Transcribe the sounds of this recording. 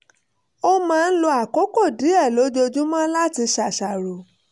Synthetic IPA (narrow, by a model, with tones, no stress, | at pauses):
o˦mãː˦˧n̩˦lo˧a˨ko˨˦ko˦˨di˨˦ɛ˦˨lo˨˦d͡ʒo˧d͡ʒũ˦mã˦la˦ti˧ʃa˨ʃa˨ɾo˨